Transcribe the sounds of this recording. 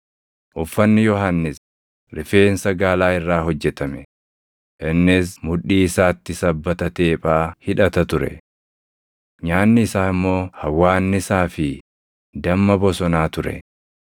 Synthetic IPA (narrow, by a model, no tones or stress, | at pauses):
ʔʊfːɐnːɪjɔɦanːɪs | ɾɪfe̞ːnsɐɡaːlaːɪrːaːɦɔd͡ʒːɛt̪ɐmɛ | ʔɪnːɪsmʊᶑiːɪsaːt̪ːɪsɐbːɐt̪ɐt̪e̞ːpʼaːhɪᶑɐt̪ɐt̪ʊɾɛ̰ | ɲaːnːɪɪsaːɪmːo̞ːhɐwːaːnːɪsaːfɪ | d̪ɐmːɐbɔsɔnaːt̪ʊɾɛ̰